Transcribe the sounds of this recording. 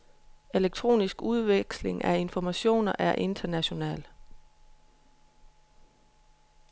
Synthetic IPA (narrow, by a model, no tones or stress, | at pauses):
e̝leɡ̥̚t͡sʰʁo̝̰ːnisɡ̥uð̞ˠʋeɡ̥sle̝ŋʔæe̝nfɒmæɕo̝̰ːnɐʔæɐʔe̝nd̥ɐnæɕo̝nɛ̰ːl